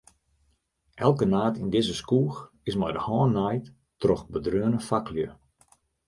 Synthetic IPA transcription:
ʔɛlˠkənaːtɪndɪzəskuːx | ɪsmɛjdəhɔːnːajt | trɔxbədrøənəfakljə

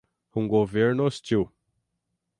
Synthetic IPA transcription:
ũɡoveɾnost͡ʃiw

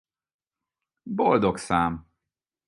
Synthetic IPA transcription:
bo̞ld̪oksaːm

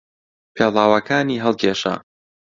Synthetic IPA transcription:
pʰelˠaːwɐkʰaːniːɦəlˠkʰeːʃa̰

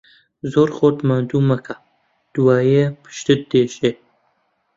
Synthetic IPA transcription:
zoːɾχoːt̪mand̪umɐka | d̪̥uwaːjepə̥ʃt̪ət̪̚d̪eːʃe

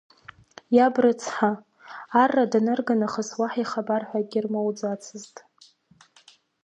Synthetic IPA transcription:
jabrɨt͡sʰħaː | rːadanɨrɡanaχəswaħiχabarħʷaɡʲirmowd͡zat͡sʰɨztʼ

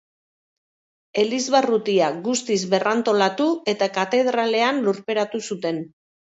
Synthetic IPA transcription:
e̞lizβarut̪iaɡust̪izβe̞rant̪o̞lat̪ue̞t̪akat̪e̞ð̞ɾale̞anluɾpe̞ɾat̪usut̪e̞n

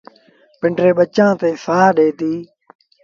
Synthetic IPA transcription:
pɪɳɖɾeːɓət͡ʃãːt̪eːsaːɗeːt̪iː

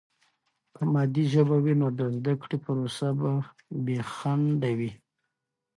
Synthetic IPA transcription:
pəmɑd̪iʒəbawinod̪əzd̪akɽepəɾosaba | bexaɳɖawi

